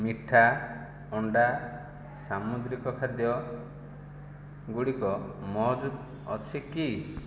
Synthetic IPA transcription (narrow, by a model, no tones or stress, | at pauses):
miʈʰa | ɔɳɖa | samud̪ɾikɔkʰad̪jɔ | ɡuɽikɔmɔɦd͡ʒud̪ | ɔ̰t͡ʃʰiki